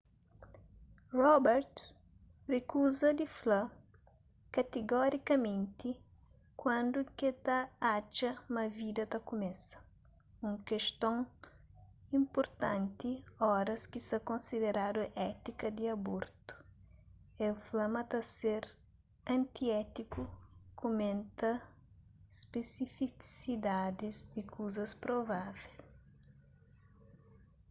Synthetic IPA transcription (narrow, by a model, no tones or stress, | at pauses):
rɔbɛɾt̪ | rekuzɐd̪iflɐ | kɐt̪eɡɔɾikɐmẽnt̪i | kwɐ̃nd̪uket̪ɐat͡ʃɐmɐvid̪ɐt̪ɐkumɛsɐ̥ | ũŋkeʃt̪õŋ | ĩmpoɾt̪ɐ̃nt̪iɔɾɐskisɐkõnsid̪eɾad̪uʔɛt̪ikɐd̪iɐboɾt̪u̥ | elflɐmɐt̪ɐseɾ | ɐ̃nt̪iɛt̪ikukomẽnt̪ɐ | spesifisid̪ad̪izd̪ikʰuzɐspɾovavɛl